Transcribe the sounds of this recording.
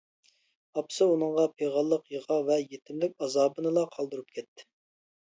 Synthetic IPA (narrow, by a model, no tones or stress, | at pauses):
ɑpsɨunɨŋʁɑpʰeʁɑlˠːəqjəʁɑvɛjet̪ʰɪmlɪkʲɑzɑːbɨnɨlˠɑqʰɑlˠd̪uɾup̚kʲʰɛt̪ʰːɪ̥